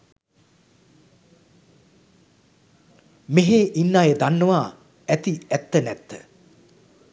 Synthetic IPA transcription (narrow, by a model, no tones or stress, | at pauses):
meɦeʔinːaːjed̪anːəʋaː | æt̪iæt̪ːənɛt̪ːə̰